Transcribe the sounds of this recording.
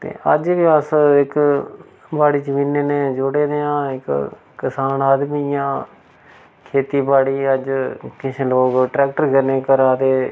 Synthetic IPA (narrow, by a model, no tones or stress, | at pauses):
t̪ḛːəd͡ʒbiːəsɪk | baːɽiːt͡ʃəmiːneːneːd͡ʒʊɽeːd̪eãːɪkː | ɪsaːnaːd̪miːjãː | kʰeːt̪iːbaːɽiːəd͡ʒkɪt͡ʃʰeloːɡʈɾɛːk̚ʈəɾkəɾneːkəɾaːd̪eː